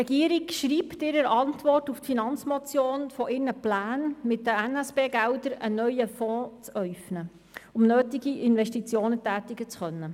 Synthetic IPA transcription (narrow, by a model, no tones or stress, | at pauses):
rɛɡ̥iəɾɪkʃɾiːptɪɾəɾɑntʋɔrtuftfinɑnt͡smɔt͡sjoːnfɔʔɪɾnəplæːnmɪtdəænɛsb̥eːɡæwdəɾənœʏjəfɔːt͡sœʏfnə | ʊmnøːtiɡiʔɪnvɛʃtit͡sjoːnətæːtɪɡət͡sχœnːə